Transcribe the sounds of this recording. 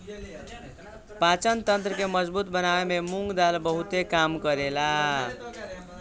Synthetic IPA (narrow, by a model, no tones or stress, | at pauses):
pat͡ʃʌnt̪ʌnt̪ɾəkemʌd͡zbut̪bənaememuŋɡd̪albʌɦut̪ekamkʌɾela